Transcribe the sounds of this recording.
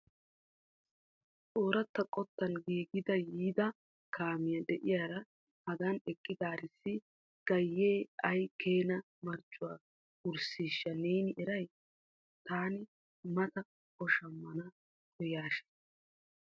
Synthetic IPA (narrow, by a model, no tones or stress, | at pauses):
tʼoːɾɐt̪ːɐkʼɔt̪ːɐnɡiːɡɪd̪ɐjiːd̪ɐ | kʰaːmɪjɐd̪ɛʔɪjaːɾɐ | hɐɡɐnɛkʼːɪd̪aːɾɪsːɪ | ɡ̥ɐjːeːɐjkʰeːnɐ | mɐɾt͡ʃʼːʊwaː | ʊɾsiːʃːɐneːnɪʔɛɾɐj | t̪aːnɪ | mɐt̪ɐ | kɔʃɐmːɐnɐ | kʰɔjaːʃɛ̥